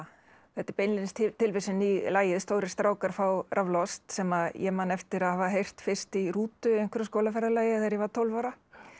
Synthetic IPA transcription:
θɛt̪ɪɾpejnlɪnstt̪ɪlvejsɪnilaːjɪðst̪oːwɾɪ̥st̪ɾaːwkaɾ̥fawrʔavlɔst̪sɛmaðjɛmanɛft̪ɪɾaðhavaɦejr̥t̪fɪr̥st̪iruːt̪ʏejŋkvɛɾaskoːlafɛɾðɪlaːjɪθaɛɾjɛvat̪ʰowlvaɾa

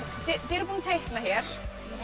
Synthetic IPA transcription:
θɛθɛɾpuːnat̪ʰejhknaçjɛɾ̥

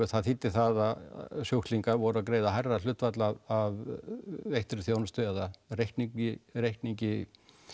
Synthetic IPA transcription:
ɪθaðθit̪ːɪ̥θaðasjowhkt̪liŋkaɾvɔɾʏakɾeːjðaɦajrːal̥ʏht̪vat̪laav | ejht̪ɪɾɪθjoːwnʏst̪ʏɛðarejhk̪niɪɾejhkt̪niɲcɪ

